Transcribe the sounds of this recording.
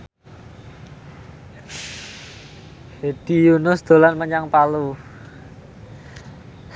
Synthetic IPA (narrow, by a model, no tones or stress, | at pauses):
hed̥ijunʊsd̪̥o̤lanməɲaŋpalu